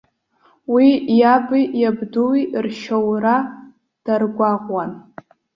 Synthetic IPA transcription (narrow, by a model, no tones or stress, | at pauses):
wijabijabduwirʃowra | d̥arɡʷaʁʷwan